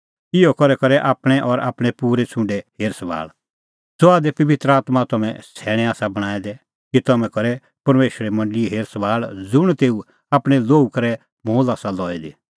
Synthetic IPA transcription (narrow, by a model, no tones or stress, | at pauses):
ɪɔkɔɾɛkɐɾɛʔaːpɽ̃ɛ̃ʔɔɾa̰ːpɽ̃ɛpuːɾet͡sʰʊ̃ɳɖeɦeːɾsʋa̰ːl | soaːd̪epɐʋɪt̪ɾəaːt̪mat̪ɐmɛ̰̃sʰɛːɽ̃ɛ̃aːsabɐɽ̃aːɛd̪ɛ | kit̪ɐmɛ̃kɐɾɛ | pɐɾmeːʃəɾɛmɐ̃ɳɖliɦeːɾsɐʋaːɭd͡zʊɽ̃t̪eːu | aːpɽ̃ɛloːukɐɾɛ | moːlaːsalɔːɛd̪e